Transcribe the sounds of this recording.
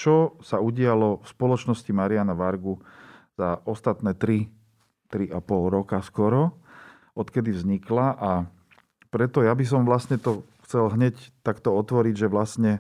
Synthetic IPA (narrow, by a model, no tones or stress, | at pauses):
t͡ʃɔsauɟɪalɔfspɔlɔt͡ʃnɔscimaɾianaʋaɾɡuz̥aʔɔst̪at̪nɛːt̪ɾi | t̪ɾiʔapɔlɾɔkaskɔɾɔ | ɔt̪kɛd̪ivzɲiklaʔa | pɾɛt̪ɔjabis̬ɔmʋlasɲɛt̪ɔxt͡sɛlɦɲɛct̪akt̪ɔɔt̪ʋɔɾiɟʒɛʋlasɲɛ